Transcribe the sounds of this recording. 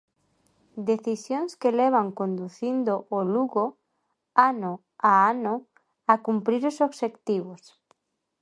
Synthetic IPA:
d̪eθisjoŋskeleβ̞aŋkond̪uθind̪oʔːluɣo | ano | aano | akumpɾiɾosoβʃekt̪iβ̞os

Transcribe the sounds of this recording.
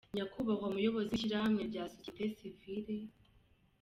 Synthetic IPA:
ɲakuβakwamujo̞βo̞ziʃiɾahamŋe̞bɟaːsosetesiviɾe

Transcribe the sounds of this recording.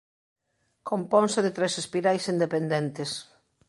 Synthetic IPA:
kompɔ̃nsɪðet̪ɾɛsespiɾajsind̪epend̪ɛnt̪es

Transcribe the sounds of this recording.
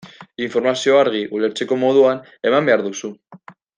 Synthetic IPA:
iɱfo̞ɾmasio̞aɾɣ̞iʔule̞ɾt͡se̞ko̞mo̞ð̞uan | e̞mambe̞aɾðusu

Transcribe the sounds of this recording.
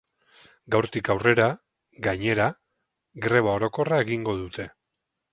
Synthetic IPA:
ɡawɾt̪ikawre̞ɾa | ɡaɲe̞ɾa | ɡɾe̞βao̞ɾo̞ko̞rae̞ɣiŋɡo̞ðut̪e̞

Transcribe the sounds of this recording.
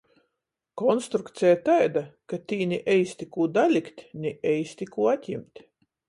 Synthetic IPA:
kɔnst̪ɾukt̪sɛjat̪ajd̪akat̪ʲiːnʲiʔɛjst̪ʲikuːd̪alʲikt̪ʲnʲɛɛjst̪ʲikuːat̪ʲimt̪ʲ

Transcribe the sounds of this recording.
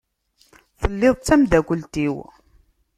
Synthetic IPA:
θəlːeðˤt͡sːæmðækʷəlt̪iw

